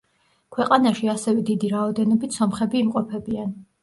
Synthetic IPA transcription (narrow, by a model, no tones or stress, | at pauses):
kʰwɛqʼanaʃiasɛvɛd̪id̪iɾaɔd̪ɛnɔbit̪ʰsɔmχɛbiːmqʼɔpʰɛbian